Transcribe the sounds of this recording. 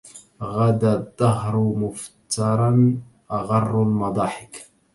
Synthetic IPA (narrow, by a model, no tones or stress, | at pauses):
ɣad̪ad̪ˤːɑɦɾmʊft̪ɑɾˤɑn | ʔaɣɑrˤːʊlmɑd̪ˤɑːħɪk